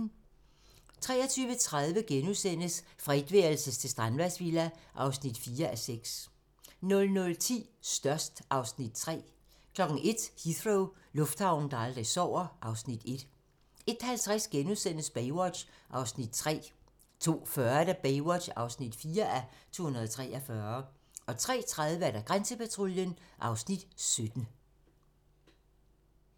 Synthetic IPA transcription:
t͡sʰʁɛːɐt͡sʰyːʋət͡sʰʁaðˠʋəɡ̥enuðˠsen̰əsfʁid̥ʋeːɐlsəst͡sʰe̝sd̥ʁanʋæsʋilæʔɑ̈ʊsnid̥fiːɐʔæseɡ̥s | nɔ̽lnɔ̽lt͡sʰḭːsd̥ɶɐsd̥ʔɑ̈ʊsnid̥t͡sʰʁɛ̰ː | kʰlɒ̽ɡ̥n̩e̝d̥hiθʁoʊlɔ̽fd̥hɑ̈ʊ̰n̩d̥ɑɑld̥ʁisɒʊ̰ɐʔɑ̈ʊsnid̥e̝d̥ | e̝d̥hælt͡sʰʁasɡ̥enuðˠsen̰əsb̥ɛɪwɒ̥ɕʔɑ̈ʊsnid̥̚t͡sʰʁɛ̰ː | t͡sʰo̝̰ːfɶɐd̥æb̥eɪwɒ̥ɕɑ̈ʊsnid̥fiːɐʔæt͡sʰo̝̰ːhunɐðˠt͡sʰʁɛ̰ːʔɒfɶːɐ | ɒ̽t͡sʰʁɛ̰ːt͡sʰʁaðˠʋəæɐɾæɡ̥ʁansəpæt͡sʰʁoljənʔɑ̈ʊsnid̥sød̥n̩

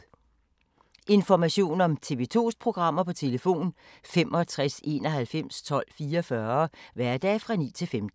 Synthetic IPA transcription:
ʔe̝nfɒmæɕo̝̰ːnɒ̽mt͡sʰe̝ʋet͡sʰo̝̰ːspʰʁo̝ɡ̥ʁɑ̈m̰ɐpɒ̽t͡sʰe̝ləfo̝̰ːn | fem̰ʔɒ̽t͡sʰʁase̝̰ːnɒ̽ɦælfem̰st͡sʰɒ̽l̰fiːɐɒfɶɐʋæɐ̰d̥ɛ̰ːfʁɑ̈nḭːt͡sʰe̝lfemd̥̩

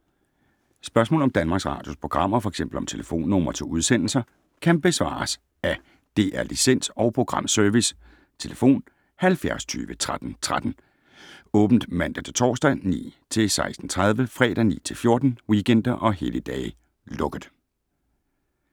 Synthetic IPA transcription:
sb̥ɶɐsmɔ̰lɒ̽md̥ænmɑ̈ːɡ̥sʁɑ̰̈ːd̥jospʰʁo̝ɡ̥ʁɑ̈m̰ɐfɒ̽eɡ̥sem̰b̥l̩ɒ̽mt͡sʰe̝ləfo̝̰ːnːɔmɐt͡sʰe̝uð̞ˠsen̰l̩sɐ | kʰænb̥e̝sʋɑ̰̈ːs | æ | d̥e̝̰ːʔæɐlisen̰sɒ̽ʊpʰʁo̝ɡ̥ʁɑ̈m̰sœɐʋis | t͡sʰe̝ləfo̝̰ːn | hælfjæɐst͡sʰy̰ːʋət͡sʰʁad̥n̩t͡sʰʁad̥n̩ | ɔ̽ːb̥n̩d̥mæn̰d̥æt͡sʰe̝t͡sʰɒ̰ːsd̥ænḭːt͡sʰe̝lsɑ̈ɪsd̥n̩t͡sʰʁað̞ˠʋəfʁɛ̰ːd̥ænḭːt͡sʰe̝lfjo̝ɐd̥n̩wiɡen̰d̥ɐʔɒ̽ɦe̝ləd̥ɛː | lɔ̽ɡ̥ð̩ˠ

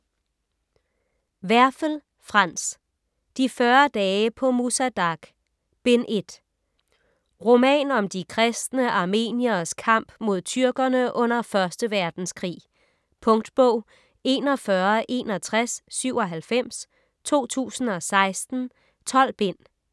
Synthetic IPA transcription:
ʋæɐfəl | fʁɑ̈n̰s | d̥ifɶɐd̥ɛːpʰɒ̽musæd̥ɑ̈ɡ̥ | b̥e̝nʔe̝d̥ | ʁo̝mɛ̰ːnɒ̽md̥ikʰʁɛsd̥nəʔɑ̈ːme̝̰ːniɐskʰɑ̈m̰b̥mo̝ð̞̰ˠt͡sʰyɐɡ̥ɐnəʔɔ̽n̰ɐfɶɐsd̥əʋæɐd̥n̩skʰʁḭː | pʰɔ̽ŋd̥b̥ɔʊ̰ | e̝̰ːnɒ̽fɶɐʔe̝̰ːnɒ̽t͡sʰʁasːyʊ̰ɒ̽ɦælfem̰s | t͡sʰo̝̰ːt͡sʰṵːsn̩ɒ̽sɑ̈ɪsd̥n̩ | t͡sʰɒ̽l̰b̥e̝n̰

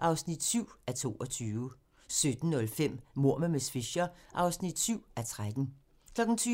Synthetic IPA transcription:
ʔɑ̈ʊsnid̥syʊ̰æt͡sʰo̝̰ːɒ̽t͡sʰyːʋ | sød̥n̩ːɔ̽lfem̰mo̝ɐ̰məmesfiɕɐʔɑ̈ʊsnid̥syʊ̰æt͡sʰʁad̥n̩ | kʰlɒ̽ɡ̥n̩t͡sʰyː

